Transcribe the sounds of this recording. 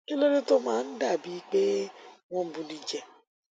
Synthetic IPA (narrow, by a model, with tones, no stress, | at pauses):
i˦lo˦ɾe˦to˦mãː˦n̩˦da˦˨bi˨˦k͡pe˦w̃ɔ̃˦˨bu˧li˨d͡ʒɛ˨